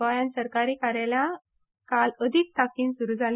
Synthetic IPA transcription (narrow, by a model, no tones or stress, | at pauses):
ajansəɾkaɾiːkaɾala | kaləd̪ʱik̚t̪akiːnsuɾuːd͡zʱal